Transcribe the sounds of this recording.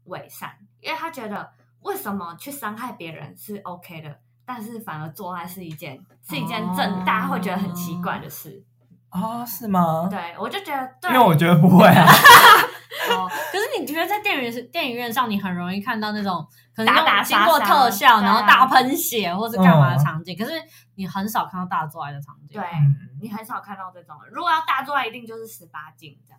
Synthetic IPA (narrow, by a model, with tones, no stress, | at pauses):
we˨˩ɪʂa̰˥˩ni˥nwe˥˩t̪ʰa˥t͡ɕɥɛ˧˥d̪ə˧ | we˥˩ɪʂə˨˩nmə˨˧t͡ɕʰy˥˩ʂɑ˥ŋxa˥˩ɪpjɛ˧˥ɻə̰˧˦nʂɻ̩˥˩ʔo˧ʊkʰe˥ɪd̪ə˨˩ | t̪a˥˧nʂɻ̩˥˩fa˨˩nə˨˥t͡swɔ˥˧xa˥˧ɪʂɻ̩˥˩i˧˥t͡ɕjɛ̰˥˩nʂɻ̩˥˩i˧˥t͡ɕjɛ˥˧nt͡sə˥˧ŋt̪a̰˥˩xwe˥˩ɪt͡ɕɥɛ˧˦˥d̪ə˧˩ə˨n˩nt͡ɕʰi˧˥kwa˥˩ɪd̪ə˩ʂɻ̩˥˩ | ɔ˥˩ʂɻ̩˥˩mɐ˩t̪we˥˩ɪwɔ˨˩t͡ɕjo˥˩ʊt͡ɕɥɛ˧˦d̪ə˧t̪we˥˧˥we˥˩wɔ˨˩t͡ɕɥɛ˧˦d̪ə˧pu˧˥xwe˥˩ɪ˩ | ɔ˨˩kʰɤ˩ʂɻ̩˥˩ni˨˩t͡ɕɥɛ˧˥ə˧t͡sa˥˧ɪt̪jɛ˥˩n˥t̪jɛ˥˩ny˧˥ɥɛ˥˧nʂɑ˥˩ŋni˨˩xə˨˩nɻo˧˥ŋi˥˧kʰa˥˧nt̪ɑ˥˧ʊna˥˩ʈ͡ʂʊ˨˩˦ŋ | kʰə˨˩ə˧˥o˥˧t͡ɕi˥ŋ˥kwɔ˥˧t̪ʰɤ˥˧ɕjɑ˥˩ʊna˧nxo˥˧ʊt̪a˥˩pʰə˧˥nɕjɛ˨˩˦xwɔ˥˩əʂ̩ʰ˥˩˧a˥˩˧ma˧˥ə˩ɑ˧˥ŋt͡ɕjɛ˥˩kʰɤ˨˩ʂɻ̩˥˩ | ni˨˩xə˧˥nʂ̬ɑ˨˩ʊkʰa˥˧nt̪ɑ˥˧˩t̪a˥˧˩t͡swɔ˥˧wa˥˩ɪd̪ə˩ɑ̰˧˥ŋt͡ɕɛ̰˥˧we˥˩n̩˥ni˨˩xə˧˦nʂɑ˨˩ʊkʰa˥˧nt̪ɑ˥˧ʊna˥˩ʈ͡ʂʊ˨˩ŋɻu˧˥ɡɔ˨˩jɑ˥˧ʊt̪a˥˧t͡swɔ˥˧a˥˩ɪi˧t̪i˥˧ŋt͡ɕjo˥˧ʊʂɻ̩˥˩ʂɻ̩˧˥pa˥t͡ɕḭ˥˩ŋ̰˥˩